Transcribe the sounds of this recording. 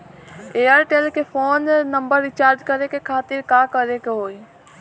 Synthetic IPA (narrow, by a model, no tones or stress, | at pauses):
eːəɾʈeːlkepʰoːnːə̃mbəɾːɪt͡ʃaːɾd͡ʒkəɾekekʰaːt̪ɪɾkãːkəɾekeɦoːiː